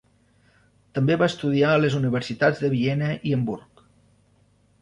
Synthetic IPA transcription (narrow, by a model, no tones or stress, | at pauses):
t̪əmbeβaəst̪uð̞iaələzuniβ̞əɾsit̪ad͡zðəβiɛnəʔiəmbuɾk